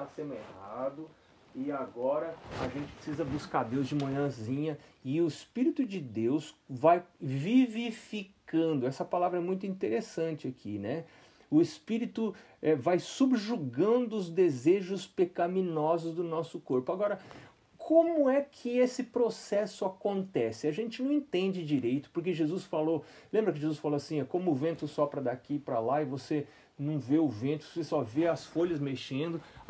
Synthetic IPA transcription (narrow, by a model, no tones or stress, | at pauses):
asẽnʊehad̪ʊ | ɪaɡɔɾɐa̰ʒẽnt͡ʃɪ̥pɾesizɐbuskaɾd̪ewzd͡ʒɪmõɲɐ̃zĩɲɐɪʊɪspiɾit̪ʊd͡ʒɪd̪ewsvajvivifikɐ̃nd̪ʊɛsɐpalavɾɐɛmũj̃t̪ʊĩt̪eɾesɐ̃t͡ʃɪakʰḭnɛ | ʊɪspiɾit̪ʊ | ɛvajsubʒuɡɐ̃d̪ʊʊzd̪ezeʒʊspekɐmĩnɔzʊzd̪ʊnɔsʊkoɾpʊaɡɔɾɐ | kʰõmʊɛkʰɪesɪpɾosɛsʊakõnt̪ɛsɪaʒẽnt͡ʃɪnɐ̃w̃ẽnt̪ẽnd͡ʒɪd͡ʒiɾejt̪ʊ̥poɾk̬eʒezusfalolẽmbɾɐk̬ɪʒezusfaloasĩɛkõmʊːvẽnt̪ʊsɔpɾɐd̪akipɾɐlaɪvose | nɐ̃w̃veʊvẽnt̪ʊ̥osesɔveɐsfoʎɐzmeʃẽnd̪ʊ